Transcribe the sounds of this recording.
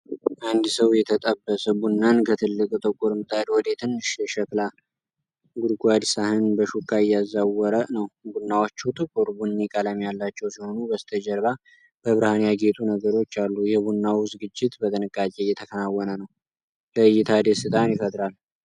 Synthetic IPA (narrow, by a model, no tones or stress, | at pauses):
ʔand̪səwjɛt̪ʰət̪ʼəbːəsəbunːankʰət̪ʰɨlːɨkʼt̪ʼəkʼːuɾmɨt̪ʰʼad̪wɔd̪et̪ʰɨnːɨʃjɛʃɛkla | ɡuɾɡʷad̪sahɨnbəʃukʰʼːaɪjɛazːawɔɾənəwbunːawot͡ʃːut̪ʼɨkʼoɾbunːikʼalamjalːat͡ʃːɛwsiho̞nubəst̪ʰəd͡ʒɛɾβa | b̥əβɨɾhanijaɡe̞t̪ʼunəɡəɾo̞t͡ʃːalːujɛbunːawzɨɡɨd͡ʒːɪt̪bət̪ʰʼənɨkʼːakʼejɛt̪ʰəkʰənawːɔnənəw | ləɨjːɪt̪ʰad̪esɨt̪ʰʼanjɪfət̪ʼɾal